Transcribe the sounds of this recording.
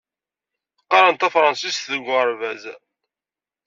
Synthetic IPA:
qːɑɾˤənt̪æfɾˤɑnsist̪ðəɡʷəɾˤvæz

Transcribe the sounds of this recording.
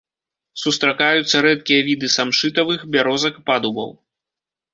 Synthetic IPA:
sust̪ɾakajut̪sːɐɾɛt̪̚kʲijɐvʲid̪ɨsamʂɨt̪ɐvɨxbʲaɾɔzɐkpad̪ubɐ̰w

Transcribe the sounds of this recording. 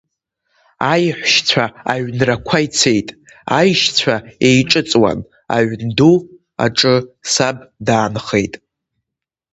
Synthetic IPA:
ajħʷʃt͡sʷʰaaɥnrakʷʰajt͡sʰe̞jtʼ | ajʃt͡sʷʰae̞jʈ͡ʂʼɨt͡sʼwa̰n | a̰ʕʷndu | a̰ʈ͡ʂʼɨsabdaːnχe̞jtʼ

